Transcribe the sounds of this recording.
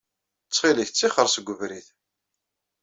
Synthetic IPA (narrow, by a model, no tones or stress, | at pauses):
t͡sːχiləçt͡sːiχəɾˤsɡʷːəvɾiθ